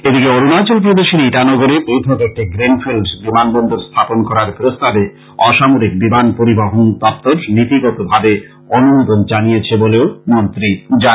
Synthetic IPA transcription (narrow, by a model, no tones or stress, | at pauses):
ed̪ikeoɾunat͡ɕolp̬ɾod̪eʃeɾiʈanɔɡoɾebojt̪ʰɔt̪ek̚ʈiɡɾenfʰelɖsbimanbɔnd̪ʱoɾst̪ʰaponkɔɾaɾpɾost̪abe | ɔʃamoɾik̚bimanpoɾibaɦont̪ɔp̚t̪oɾnit̪iɡɔt̪obʱabe | onumod̪ond͡ʑanijet͡ɕʰeboleomont̪ɾid͡ʑa